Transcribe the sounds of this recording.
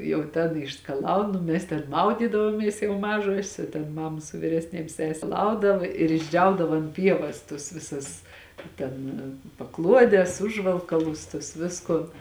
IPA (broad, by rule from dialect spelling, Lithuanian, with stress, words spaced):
jɛʊ ˈtʲɛn ɪʃskɐˈlˠɐʊn oː ˈmʲɛs tʲɛn ˈmɐʊdʲiːdɐʋoːmʲiɛs jɛʊ ˈmɑːʒuɔsʲeːs oː tʲɛn ˈmɑːmɐ sʊ ʋʲiːrʲɛsʲˈnʲeːm ˈsʲæːsʲɛ ˈplˠɐʊdɐʋɐ ɪr ɪʒʲˈd͡ʒʲɛʊdɐʋɐ ɐnt ˈpʲiɛʋɐs tʊs ˈʋʲɪsʊs ˈtʲɛn pɐˈklˠuɔdʲɛs ˈʊʒʋɐlˠkɐlˠʊs tuɔs ˈʋʲɪskoːn